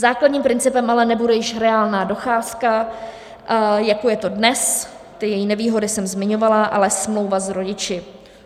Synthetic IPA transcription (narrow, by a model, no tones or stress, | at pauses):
zaːkladɲiːmpɾɪnt͡sɪpɛmʔalɛnɛbudɛjɪʃɾɛaːlnaːdo̞xaːska | jakojɛt̪o̞dnɛs | t̪ɪjɛjinɛviːɦo̞dɪsɛmzmɪɲo̞valaʔa̰lɛsmlowvazɾo̞ɟɪt͡ʃɪ